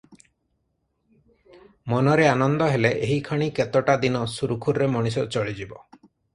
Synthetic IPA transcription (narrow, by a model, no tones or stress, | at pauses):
mɔnɔɾeanɔnd̪ɔɦeleʔeɦikʰɔɽ̃iket̪ɔʈad̪inɔsuɾukʰuɾɾemɔɽ̃is̬ɔt͡ʃɔɭid͡ʒibɔ